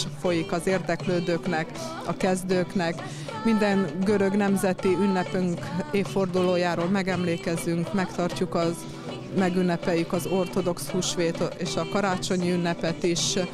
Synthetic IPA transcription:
fo̞jikɒzeːrd̪ɛkløːd̪øːknɛk | ɒ̰kɛzd̪øːknɛk | mind̪ɛŋɡø̞ɾø̞ɡnɛmzɛt̪iynːɛpøŋkeːfːo̞rd̪uloːjaːɾoːlmɛɡɛmleːkɛzyŋkmɛkt̪ɒrcukɒ | mɛɡynːɛpɛjykɒzo̞rt̪o̞d̪o̞kshuːʃʋeːt̪eːʃɒkɒɾaːt͡ʃo̞ɲiynːɛpɛt̪iʃ

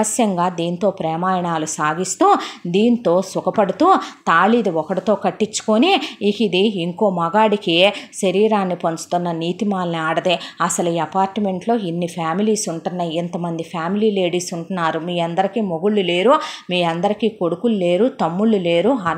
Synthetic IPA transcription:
ɐsjɐŋɡaːd̪iːnt̪o̞ːpɾɛːmaːjɐɳaːlusaːɡist̪uːd̪iːnt̪o̞ːsukɐpɐɽut̪uːt̪aːlid̪iɔkɐɽit̪o̞ːkɐʈːit͡ʃːu̥koniːkid̪iːŋko̞ːmɐɡaːɽikiʃɐɾiːɾaːnːipɐɲt͡ʃu̥t̪unːɐniːt̪imaːlniaːɽɐd̪eːɐsɐluiːɐpaːɾʈme̞ɳʈlo̞ːinːipʰaːmiliːsuɳʈunːɐjent̪ɐmɐnd̪ipʰjaːmiliːleːɽiːsuɳʈunːaːɾumiːɐnd̪ɐɾikiːmoɡuɭːule̞ːɾumiːɐnd̪ɐɾikiːko̞ɽukulule̞ːɾut̪ɐmːuɭːule̞ːɾuɦɐ

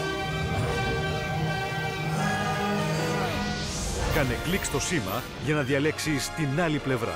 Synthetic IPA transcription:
kɐneklikst̪o̞simɐ̰ | ʝɐnɐðiɐle̞ksist̪inɐliple̞vɾɐ̰

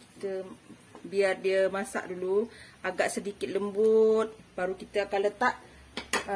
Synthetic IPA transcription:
kit̪ə | biardiəmasa̰ʔdulu | aɡaʔsədikɪt̪̚ləmbut̪̚baɾukit̪əakanlət̪aʔ

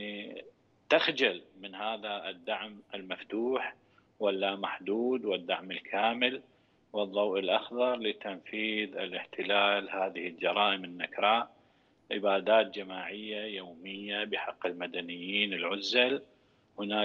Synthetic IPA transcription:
i | t̪axd͡ʒalmɪnhaːðaɪd̪ːaʕmʔɪlmaft̪uːħ | walːamaħd̪uːd̪wɪd̪ːaʕmɪlkʰaːmɪl | wɨðˤːɑwʔɪlʔɑxðɑɾˤlɪt̪anfiːðɪlɪħt̪ɪlaːlhaːðɪhɪld͡ʒɑɾˤɑːʔɪmɪnːakɾˤɑːʔ | ʕɪbaːd̪aːt̪̚d͡ʒamaːʕɪjːajoːmɪjːabɪħɑqːɪlmad̪anɪjːiːnɪlʕʊzːal | hʊnaː

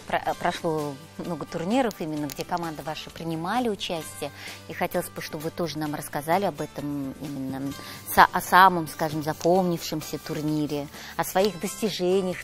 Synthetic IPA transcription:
pɾɐpɾɐʂlˠo | mno̞ɡət̪ʊrnʲiɾəfimʲɪnːəɡdʲe̞kɐmand̪əvaʂɨpɾʲɪnʲɪmalʲɪʊt͡ɕæsʲtʲɪjəixɐtʲe̞lˠəzʲbɨʂt̪o̞bvɨt̪o̞ʐɨnamrəskɐzalʲɪɐbɛt̪əmimʲɪnːəsa̰ʔɐsaməmskaʐɨmzɐpʰomnʲɪfʂɨmsʲət̪ʊrnʲiɾʲɪ | ɐsvɐiɣd̪əsʲtʲɪʐɛnʲɪjəx

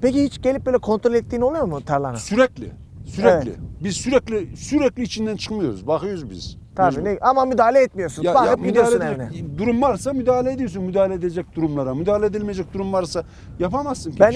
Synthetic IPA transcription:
pe̞cihit͡ʃɟe̞lʲipbøjlʲɛkʰont̪ɾolʲɛt̪ːiːno̞lˠujo̞ɾmut̪ʰaɾlˠa̰nasyɾɛclʲɪ̰ | syɾɛevɛlʲḭbizsyɾɛclʲisyɾɛclʲiːt͡ʃʰind̪ænt͡ʃʰɯ̥kmɯjo̞ɾṵzbaxɯjoɾzbḭz̥ | t̪ʰabiːneʔamamyd̪aːalʲɛɛt̪mijo̞ɾsunbakmid̪iosuneinɛ̰d̪uɾumvaɾsamyd̪aːalʲeːd̪ijosunmyd̪aːlʲɛed̪ed͡ʒɛc̚d̪uɾumlˠaɾamyd̪aːlʲeed̪ilmejed͡ʒɛc̚d̪uɾumvaɾsa | japamassɯnbæn

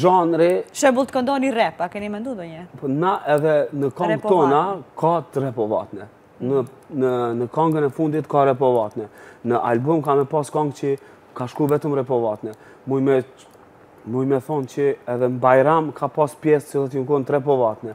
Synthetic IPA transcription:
ʒanɾiʃɛbulˠt̪ə̥kɔnd̪ɔnirɛpakɛnimɛnd̪und̪ɔɲɛpnaʔɛðɛnəkɔŋɡt̪ɔnakʰat̪ɾɛpɔva̰t̪nɛ | nənənəkaŋɡənɛfund̪it̪kaɾɛp̬ɔvat̪nɛnəʔa̰lbumkamɛpaskaŋɡt͡ʃə | kaʃkuvɛt̪əmɾɛpɔvat̪nɛ | mujmɛ | mujmɛθɔnt͡ʃəɛðɛmbajɾamkʰapaspjɛst̪silˠɔt̪əŋkɔnt̪ɾɛp̬ɔvat̪nɛ

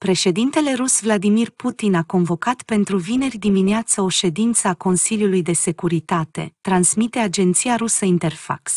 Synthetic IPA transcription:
pɾe̞ʃe̞d̪int̪e̞le̞ɾusvlad̪imirput̪inako̞nvo̞kat̪pe̞nt̪ɾuvine̞rʲd̪imineat̪səo̞ʃe̞d̪int̪səako̞nsiljulujd̪e̞se̞kuɾit̪at̪e̞̰t̪ɾansmit̪e̞ad͡ʒe̞nt̪siaɾusəint̪e̞rfa̰ks

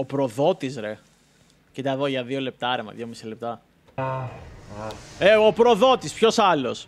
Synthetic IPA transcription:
opɾo̞ðo̞t̪izɾe̞ | cit̪ɐðoʝɐðio̞le̞p̚t̪ɐɾemɐ̰ðʝo̞misile̞p̚t̪ɐ | eopɾo̞ðo̞t̪ispço̞sɐlo̞s

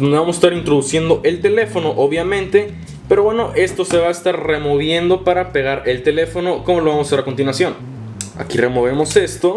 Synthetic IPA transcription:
ondeβamosest̪aɾint̪ɾo̞ðusje̞nd̪o̞ʔe̞lt̪e̞lefo̞no̞ʔoβjamẽ̞nt̪e̞ | pe̞ɾoβwe̞no̞ʔe̞st̪o̞se̞βaest̪aɾre̞mo̞β̞je̞nd̪o̞paɾapeɣaɾe̞lt̪e̞le̞fo̞no̞ko̞molo̞βamosaseɾakont̪inwasjo̞n | a̰kire̞mo̞βe̞mo̞se̞st̪o̞

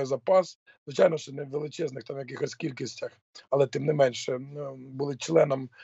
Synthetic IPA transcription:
ɛzɐpɑs | zʋɪt͡ʃajnɔʃt͡ʃɔnɛʋelˠɪt͡ʃɛznɪxt̪ɑmjɐk̬ɪxɔskʲilʲkɪsʲtʲɐx | ɐlˠɛt̪ɪmnɪmɛnʲʃɛbulˠɪt͡ʃlˠɛnɐm

